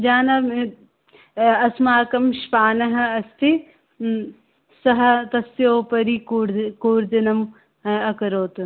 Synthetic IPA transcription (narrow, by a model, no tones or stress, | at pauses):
d͡ʒaːnɐ | ɐsmaːkɐmʃpaːnɐɦɐɐst̪ʰi | sɐɦɐt̪ɐsjoːpɐɾikːɾkuːɾd̪inɐm | ɐkɐɾoːt̪u